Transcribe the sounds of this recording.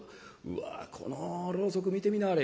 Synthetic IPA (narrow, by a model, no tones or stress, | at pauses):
ɯ̟̰a̰kʰo̞̰noɾo̞ːso̞k̬ɯ̟mʲit̪e̞mʲinaaɾe